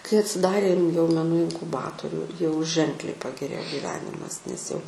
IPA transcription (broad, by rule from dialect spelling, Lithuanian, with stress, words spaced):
kɐɪ ɐtʲsʲɪˈdɑːrʲeː ɪn jɛʊ mʲɛˈnuː ɪŋkʊˈbɑːtʊrʲʊ jɛʊ ʒʲɛŋklʲɛɪ pɐɡʲɛˈrʲeːjoː ɡʲiːˈʋʲæːnʲɪmɐs nʲɛs jɛʊ